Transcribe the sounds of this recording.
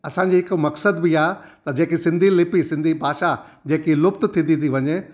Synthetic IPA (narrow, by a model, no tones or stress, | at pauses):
ɐsã̆d͡ʑiːɦɪkʊmɐksəd̪biaːet̪ɐd͡ʑeːkisɪ̃nd̪ʱilɪpisɪ̃nd̪ʱibʱaːʃa | d͡ʑeːkilʊpt̪t̪ʰĩnd̪ĩniʋɐɲeː